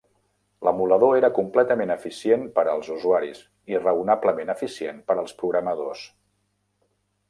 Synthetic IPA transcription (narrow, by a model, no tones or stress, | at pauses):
ləmuləðoeɾəkumplɛt̪əmenəfisienpəɾəlˠzuzuaɾḭs | irəunabləmenəfisienpəɾəlˠspɾuɣɾəməðos